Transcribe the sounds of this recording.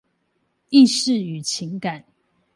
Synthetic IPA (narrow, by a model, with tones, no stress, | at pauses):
i˥˨ʂɻ̩˥˨y˨˩t͡ɕʰi˨˦ŋka˨˩n